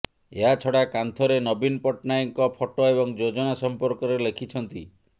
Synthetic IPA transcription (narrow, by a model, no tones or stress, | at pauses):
eɦat͡ʃʰɔɽakant̪ʰɔɾenɔbinpɔʈnajɔŋkɔpʰɔʈoebɔŋd͡ʒod͡ʒɔnasɔmpɔɾkɔɾelekʰit͡ʃʰɔnt̪i